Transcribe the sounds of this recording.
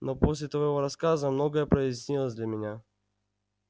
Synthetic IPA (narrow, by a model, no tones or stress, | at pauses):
noposʲlʲɪt̪vɐjjvoɾɐskazəmnoɡəɛpɾɪsʲnʲilˠəzʲd̪lʲamʲɪnʲa